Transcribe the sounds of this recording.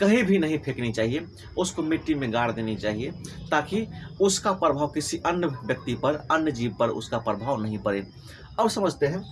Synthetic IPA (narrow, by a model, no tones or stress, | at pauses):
kəɦibʱinəɦĩpʰeknet͡ʃaɦie | oskomiʈːimẽɡaɽd̪enet͡ʃaɦiet̪akiʊskapɾəbʱaːʋkisiʔənjəbjək̚t̪ipəɾənjəd͡ʒibpəɾo̰skapɾəbʱawnəɦĩpəɾe | ɔːɾsəməd͡ʒʱt̪eɦɛ̃